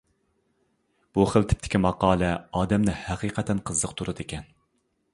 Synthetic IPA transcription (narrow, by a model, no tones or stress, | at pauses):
b̥uχəlˠt̪ʰɪ̥p̚t̪ʰɪ̥kʲimɑqɑːlˠɛɑːd̪ɛmnɪhæqʰiːqʰɛt̪ʰɛnqʰəzːəqt̪ʰuɾɨd̪ʰɪkʲɛn